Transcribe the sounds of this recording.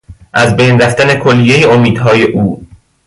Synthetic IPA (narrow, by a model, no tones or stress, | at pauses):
ʔæzbejnræft̪æne̞kʰolːijejeomiːd̪̥ɦɒːje̞ʔuː